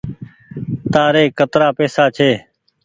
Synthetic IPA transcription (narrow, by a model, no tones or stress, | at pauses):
t̪aːɾeːkət̪ɾaːpeːsaːt͡ʃʰeː